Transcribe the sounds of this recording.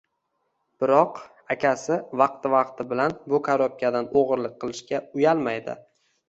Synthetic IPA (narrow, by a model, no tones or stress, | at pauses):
b̥ɪɾɒq | akʲʰasɪvɑqt̪ɪvɑqt̪ʰɪbɪlanbʊkʰaɾɒp̚kʲʰad̪anoʁɨɾlɪk̚ʲqːɨlˠɪʃkʲaʊjalˠmajd̪ɪ̰